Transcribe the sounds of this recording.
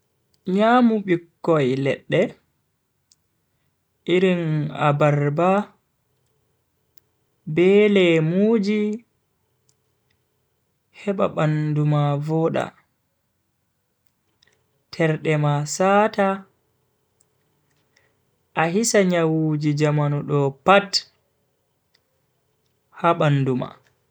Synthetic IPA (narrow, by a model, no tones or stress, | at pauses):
ɲaːmuɓikːɔjlɛ̰ɗːɛ | ʔiɾina̰baɾba | bɛːlɛmuːd͡ʒi | hɛɓa̰ɓandumavɔɗa̰ | tʰɛɾɗɛmasaːta | ʔaɦisaɲawud͡ʒid͡ʒamanuɗɔpat | haɓanːduma̰